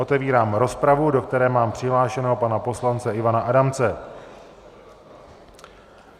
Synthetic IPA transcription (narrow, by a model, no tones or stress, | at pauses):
o̞t̪ɛviːɾaːmɾo̞spɾavudo̞k̚t̪ɛɾɛːmaːmpr̝̥ɪɦlaːʃɛnɛɦopanapo̞slant͡sɛʔɪvanaʔadamt͡sɛ